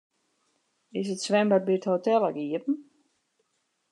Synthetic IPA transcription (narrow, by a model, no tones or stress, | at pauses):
ɪs̬ətsʋɛmbabithotɛlˠəɡiəpn̩